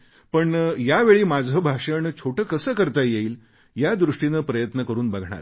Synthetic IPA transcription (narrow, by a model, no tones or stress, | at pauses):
pəɳjaʋeɭiːmad͡zʱəbʱaʂəɳt͡ɕʰoʈəkəsəːkəɾt̪ajeiːl | jad̪ɾuʂʈinəpɾəjət̪nəkəɾuːnbaɡʱɳa̰ɾ